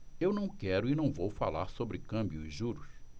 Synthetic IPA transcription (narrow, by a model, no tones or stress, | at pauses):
ewnɐ̃w̃kɛɾʊɪnɐ̃w̃vowfa̰laɾsobɾɪkɐ̃mbjʊiʒuɾʊs